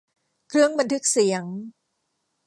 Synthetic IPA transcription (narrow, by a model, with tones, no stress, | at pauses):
kʰɾɯ˥˩əŋba˧nt̪ʰɯ˦˥k̚si˨˩˦əŋ